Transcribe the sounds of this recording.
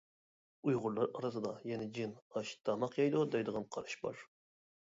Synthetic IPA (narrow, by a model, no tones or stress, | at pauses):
ujʁʊɾlˠɑɾɑɾɨsɨd̪ɑjɛnɛd͡ʒinɑʃd̪̥ʰɑmɑqjɑjd̪ud̪ɑjd̪əʁɑnqʰɑɾɨʃbɑ̰ɾ